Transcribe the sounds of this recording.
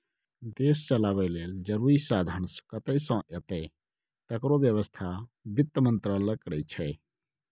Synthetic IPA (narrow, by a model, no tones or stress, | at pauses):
d̪eːst͡ʃəlaːʋɛleːld͡ʒəɾuːɾisaːd̪ʱənskət̪əsə̃ʔet̪ɛ | t̪əkɾobjəʋəst̪ʰabɪt̪ːəmə̃nt̪ɾələkɽɛt͡ʃʰɛ